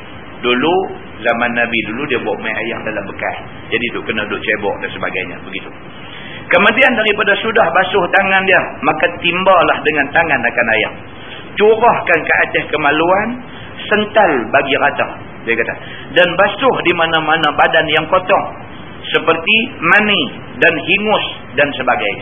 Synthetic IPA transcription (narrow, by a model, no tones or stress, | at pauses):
dulu | zamanːabiduludiabaʔmaja̰ja̰k̚dalambəka̰s | d͡ʒadidʊkənahdʊʔt͡ʃebɔ̰ʔdansəba̰ɡa̰jɲa̰bəɡit̪u | kəmutiandaɾipadasudahbasʊht̪aŋandiəmakat̪imbalahdəŋant̪aŋanakanaja̰ŋ̚ | t͡ʃuɾahkankəʔat̪ɛhkəmaluan | sənt̪albaɡiɾat̪a̰ | diakat̪a | danbasʊhdimanamanabadanjaŋkot̪ɔŋ | səpərt̪imani | danɦiŋʊs | dansəbaɡajɲa